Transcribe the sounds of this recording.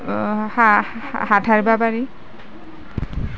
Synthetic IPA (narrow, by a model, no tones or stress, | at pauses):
ha | hatʰaɹbapaɹi